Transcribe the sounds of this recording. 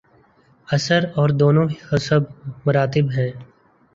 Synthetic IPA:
ɐsəɾɔːɾd̪oːnõhʊsəb̚mʊɾaːt̪̬ɪbɦɛ̃ː

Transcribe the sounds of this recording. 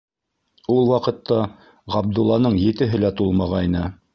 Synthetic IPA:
ulˠwɑqɤ̆t̪ːɑ | ʁɑb̚d̪ulˠːɑnɤɴjɘ̆t̪ɘ̆ɦɘ̆læt̪ulˠmɑʁɑjnɤ

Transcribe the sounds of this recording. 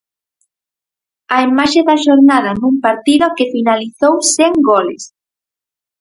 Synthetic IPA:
ɐimaʃeðɐʃoɾnaðɐnumpaɾt̪iðokɪfinaliθowseŋɡolɪ̰s

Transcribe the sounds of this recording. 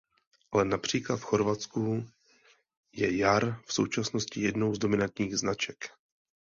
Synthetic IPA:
ʔalɛnapr̝̥iːklat̪fxo̞ɾvat͡sku | jɛjaɾfso̞̰wt͡ʃasno̞scɪjɛdno̞wzdo̞mɪnant̪ɲiːɣznat͡ʃɛk

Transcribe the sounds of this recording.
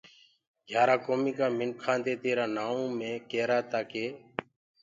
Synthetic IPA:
ɡʱjaːɾaːkoːmiːkaːmɪnkʰãːnt̪eːt̪eːɾaːnaːõːmẽːkeːɾaːt̪aːkeː

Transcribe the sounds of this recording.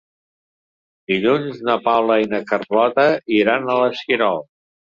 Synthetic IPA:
d̪iʎunznəpawləinəkərlɔt̪əiɾanələsiɾɔlˠ

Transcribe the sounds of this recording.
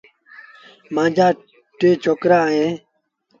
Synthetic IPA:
mãːd͡ʑaː | ʈeːt͡ɕʰoːkɾãːẽː

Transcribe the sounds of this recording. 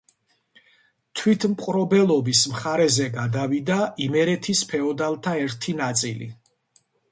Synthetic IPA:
t̪ʰwit̪ʰmqʼɾɔbɛlˠɔbismχaɾɛzɛɡad̪avid̪aimɛɾɛt̪ʰispʰɛɔd̪alˠt̪ʰaɛɾt̪ʰinat̪sʼḭlḭ

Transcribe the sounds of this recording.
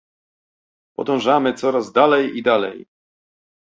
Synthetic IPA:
pɔ̰d̪ɔ̃w̃ʐamɘt̪sɔɾazd̪alɛjid̪alɛ̰j

